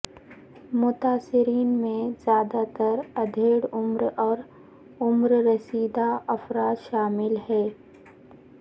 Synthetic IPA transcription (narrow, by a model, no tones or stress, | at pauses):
mʊt̪aːsɪɾiːnmẽzjaːd̪at̪əɾɐd̪ʱeːɽʊmɾɔːɾ | ʊmɾɾɐsiːd̪aʔɐfɾaːt̪ʃaːmɪlɦɛː